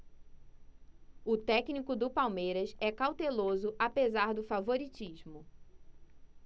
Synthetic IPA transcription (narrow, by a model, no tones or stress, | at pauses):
ʊt̪ɛknikʊd̪ʊpawmejɾɐsɛkawt̪elozʊʔapezaɾd̪ʊfavoɾit͡ʃiʒmʊ